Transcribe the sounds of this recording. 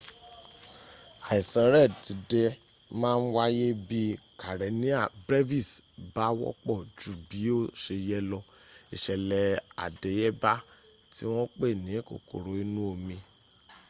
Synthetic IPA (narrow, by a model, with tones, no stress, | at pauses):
a˨i˨sã˨˦ɾɛ˦˨ti˨˦dɛ˧ | mãː˦˧n̩˦wa˦je˦bi˦ka˨ɾɛ˨˦nĩ˦a˨bɾe˦vi˦˨sba˦wɔ̰˦k͡pɔ˦˨d͡ʒu˦˨bi˨˦o˦˨ʃe˧jɛ˦lɔ˧ | i˨ʃɛ˨lɛ˨a̰˨de˨˦jɛ˦ba˦ | ti˦w̃ɔ̃˦k͡pe˦˨nĩ˨˦ko̰˨ko̰˨ɾo˨i˦nũ˦o˧mĩ˧